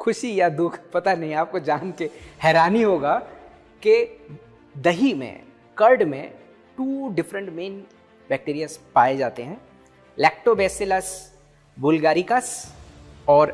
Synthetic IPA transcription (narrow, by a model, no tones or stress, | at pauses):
kʰʊʃijad̪ʊkʰpɐt̪anɐɦĩaːp̚kod͡ʒaːnkehɛːɾaːniɦoːɡa | ke | d̪ɐɦimḛ̃ | kɐɾɖmḛ̃ | ʈuːɖɪfɾə̃ɳʈmẽːn | b̥ɛːk̚ʈiːɾijaspaːed͡ʒaːt̪eɦɛ̃ː | lɛːk̚ʈobɛːselɐs | buːlɡaːɾikas | ɔːɾ